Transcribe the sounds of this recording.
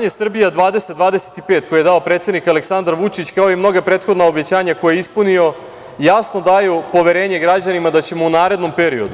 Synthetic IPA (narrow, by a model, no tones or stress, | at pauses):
ɲesr̩bijad̪ʋaːd̪e̞set̪̚d̪ʋaːd̪ese̥t̪i̥peːt̪kʰo̞jjed̪ao̞pɾe̞ːt̪sed̪nikaleksand̪aɾʋut͡ʂit͡ɕkaojemno̞ɡapɾeːt̪xo̞d̪naobet͡ɕaːɲako̞jeeispunio̞ | jasno̞d̪ajupo̞ʋe̞ɾe̞ːɲe̞ɡɾad͡ʑanimad̪at͡ɕe̞mounaːɾe̞d̪no̞mpe̞ɾio̞d̪u